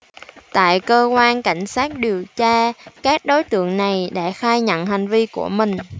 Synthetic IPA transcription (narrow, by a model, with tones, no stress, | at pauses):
t̪a̰ː˧˨jkəː˧kwaː˧nka˧˩jŋ̟saː˦˥t̚ɗi˨˩əwt͡ɕaː˧kaː˦˥k̚ɗo˨˦jt̪ɨ̰˧˨əŋna˨˩jɗa̰ː˧˥xaː˧jɲə̰˧˨nɦa˨˩ŋ̟vi˧ku˧˩əmï˨˩ŋ̟